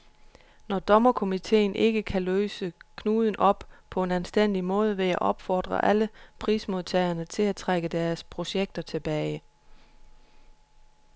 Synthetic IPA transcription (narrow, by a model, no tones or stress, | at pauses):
nɒd̥ɒ̽mɐkʰo̝mit͡sʰe̝̰ːnʔe̝ɡ̥əkʰæløːsəkʰnuːð̞ˠən̩ʔɒ̽b̥pʰɒ̽e̝nænsd̥en̰d̥imɔ̽ːð̞ˠəʋe̝jæʔɒ̽b̥fɒ̰ːd̥ʁɐ̰ʔæləpʰʁiːsmo̝ð̞ˠt͡sʰɛɪɐnət͡sʰe̝læt͡sʰʁaɡ̥əd̥æɐspʰʁo̝ɕeɡ̥̚d̥ɐt͡sʰe̝b̥ɛːɪ